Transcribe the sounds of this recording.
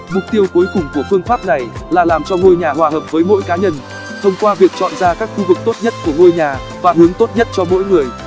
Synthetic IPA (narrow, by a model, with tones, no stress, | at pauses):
mʊ˨˩k͡p̚t̪i˧əwku˨˦jkʊ˨˩ŋ͡mku˧˩əfɨ˧əŋfaː˦˥p̚na˨˩jlaː˨˩laː˨˩mt͡ɕɔ˧ŋo˧jɲaː˨˩hwaː˨˩həː˨˩p̚vəː˨˦jmo̰˧˥jkaː˨˦ɲə˧n | t̪ʰə˧wŋ͡mkwaː˧vi˨˩ək̚t͡ɕɔ̰˧˨nzaː˧kaː˦˥k̚xu˧vɨ˨˩k̚t̪o˦˥t̚ɲə˦˥t̚ku˧˩əŋo˧jɲaː˨˩ | vaː˨˩ɦɨ˨˦əŋt̪o˦˥t̚ɲə˦˥t̚t͡ɕɔ˧mo̰˧˥jŋɨ˨˩əj